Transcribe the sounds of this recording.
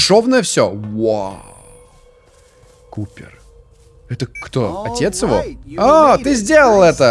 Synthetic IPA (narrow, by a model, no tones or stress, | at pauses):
ʂovnəjəfsʲowa̰ | kupʲɪ̰r | ɛt̪əkt̪oɐtʲet̪sjɪvo̞̰at̪ɨzʲdʲelˠəlˠɛt̪ə